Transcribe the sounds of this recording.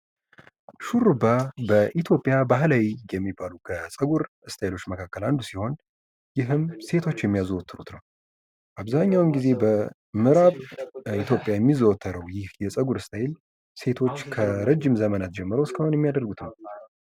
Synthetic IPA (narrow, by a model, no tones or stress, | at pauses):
ʃuɾɨbabəʔit̪ʰjo̞pʼːjabaɦlawijɛmːibːalukʰəsʼəɡuɾ | ɨst̪ʰajlo̞t͡ʃːməkʰakːəland̪usiho̞n | jɪɦɨmse̞t̪ʰo̞t͡ʃːjɛmːijazuwɔt̪ʰːɨɾut̪nəw | ʔaβzaɲːawɨmɡize̞bə | mɨɾaβit̪ʰjopʼjajɛmːizəwɔt̪ʰːəɾəwjɪhjɛsʼəɡuɾɨst̪ʰajɪl | se̞t̪ʰo̞t͡ʃːkʰəɾəd͡ʒːɪmzəmənat̪̚d͡ʒɛmːɨɾəwɨskəhonjɛmːijad̪əɾrɡut̪nəw